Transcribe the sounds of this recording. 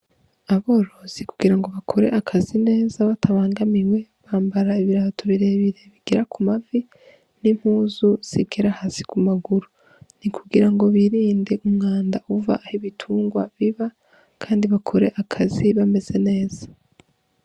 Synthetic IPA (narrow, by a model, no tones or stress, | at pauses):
aβo̞ːɾo̞z̥iku̥ɡiɾaŋɡo̞βakʰo̞ɾe̞ʔakʰazine̞ːzaβatʰaβaːŋɡamiwe̞βaːmbaɾaiβiɾatʰoβiɾe̞βiɾe̞βiɡ̥eɾakumavi | nim̥huːzuz̥ḭɡeɾahasi̥kumaɡuɾu | nikʰuɡiɾaŋɡo̞βiɾiːnde̞umŋaːndauva̰ʔːhiβitʰuːŋɡwa̰βiβa | kʰaːndiβakʰo̞ɾe̞ʔakʰaziβame̞z̥e̞ne̞ːz̥ḁ